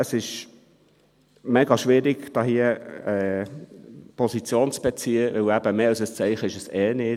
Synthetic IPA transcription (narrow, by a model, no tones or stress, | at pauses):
əsɪʃ | mɛɡɑʃʋɪɾiɡd̥ɑːhiəɛː | pʰɔsit͡sjoːnt͡sb̥ɛt͡siːəʋɪwæb̥əmeːɑlsəst͡sɛɪχəɪʃəsɛːnɪ